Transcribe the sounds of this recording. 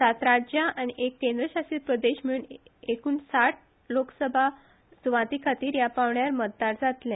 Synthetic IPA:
sat̪ɾad͡ʑaʔañiʔekːẽnd̪ɾəɕasiːt̪̚pɾəd̪eɕmiɭuːnekuːnsaʈ̚ʰ | loksəbʱa | d͡zʋãt̪ikʰat̪iːɾjapaʋɳjaɾməd̪̚ːaɾd͡zat̪lɛ̃

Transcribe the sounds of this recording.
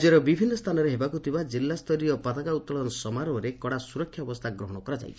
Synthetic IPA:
d͡ʒeɾɔbibʱinːɔst̪ʰanɔɾeɦebakut̪ʰibad͡ʒilːast̪ʰɔɾiɔpat̪akaut̪ːɔlɔnɔsɔmaɾɔɔɾekɔɽasuɾɔkʰːjabɔst̪ʰaɡɾɔɦɔɽ̃ɔkɔɾad͡ʒa̰jt͡ʃʰi

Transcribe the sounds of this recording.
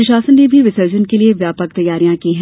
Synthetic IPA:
ɾɪʃaːsənːebʱiʋɪsəːd͡ʒənkelieʋjaːpək̚t̪ɐjːaːɾijãkiɦɛ̃

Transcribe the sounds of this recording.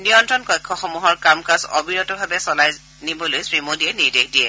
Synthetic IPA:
nijɔntɹɔnkɔjkʰːɔxɔmuɦɔɹkamkasɔ̰biɹɔtɔbʱabɛsɔlaj | nibɔlojsɹimodijɛniɹdexdiɛ

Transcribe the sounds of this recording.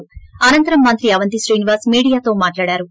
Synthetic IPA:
ɐnɐnt̪ɐɾɐmːɐnt̪ɾiɐʋɐnt̪isɾiːniʋaːɾsmiːɽijaːt̪o̞ːmaːʈlaːɽaːɾu

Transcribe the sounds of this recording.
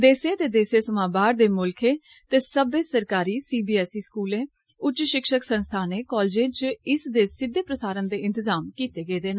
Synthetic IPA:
d̪eːsẽːt̪eːd̪eːseːsəmãːbaːɾd̪eːmʊlkʰeː | t̪eːsəbeːsəɾkaːɾiːsiːbiːɛːsiːskuːlẽː | ʊt͡ʃʃɪkʃəksənst̪ʰaːneːkɔːld͡ʒẽːt͡ʃɪsd̪eːsɪd̪ʱːeːpɾəsaːɾənd̪eːɪ̃nt̪ɪzaːmkiːt̪eːɡeːd̪eːna

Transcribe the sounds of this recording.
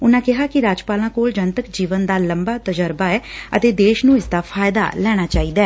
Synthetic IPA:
ʊnãːkɪɦaːkɪɾaːd͡ʒpaːlãːkoːld͡ʒənt̪əkd͡ʒiːʋənd̪aːləmbaːt̪əd͡ʒəɾbaːɛːə̰t̪eːd̪eːʃnũːɪsd̪aːpʰaːjɪd̪a̰ːlɛːɽ̃aːt͡ʃaːiːd̪aɛː

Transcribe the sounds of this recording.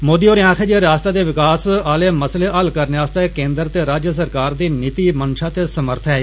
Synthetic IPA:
moːd̪iːoːɾɪjãːkʰeːd͡ʒeɾaːst̪aːd̪eːʋɪkaːsaːleːməsleːʔəlkəɾneaːst̪akẽːnd̪əɾt̪eːɾaːd͡ʒjəs̬əɾkaːɾd̪eːnɪt̪iːmənʃaːt̪eːsəməɾt̪ʰɦɛː

